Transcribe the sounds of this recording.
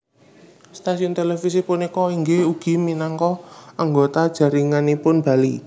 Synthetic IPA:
st̪asiʊnt̪elefis̬ipʊnikɔiŋɡeuɡ̥i̤minaŋkɔaŋɡot̪ad̥ʒ̥a̤ɾiŋanipʊnb̥ä̤li

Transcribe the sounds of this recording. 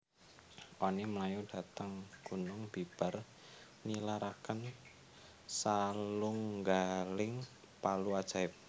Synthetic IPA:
ʔɔniməlajuɖ̥a̤t̪əŋɡ̥unʊŋb̥ib̥a̤r | nilaɾʔakən | saluŋɡalɪŋ | paluad̥ʒ̥a̤ɪp̚

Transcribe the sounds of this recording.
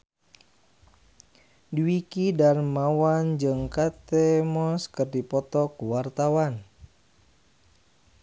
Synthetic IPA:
diwikidarmawand͡ʒɨŋkat̪ɛmɔskɨrdipɔt̪ɔkuwart̪awan

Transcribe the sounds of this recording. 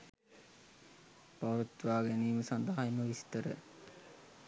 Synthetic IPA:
paʋət̪ʋaːɡæniːməsand̪aɦaiməʋist̪əɾə̰

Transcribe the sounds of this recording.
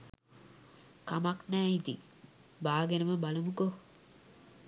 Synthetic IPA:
kamaknæːid̪ḭ | baːɡenəməbalumuko

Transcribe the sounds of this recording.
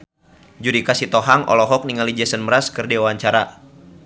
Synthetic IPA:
d͡ʒudikasit̪ɔɦaŋʔɔ̰lɔɦɔk̚niŋalid͡ʒɛsənməɾaskɨrdiwaɲt͡ʃaɾa

